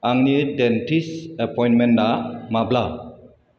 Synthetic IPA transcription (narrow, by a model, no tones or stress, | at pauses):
aŋnidentʰisepʰɔjnmendamabla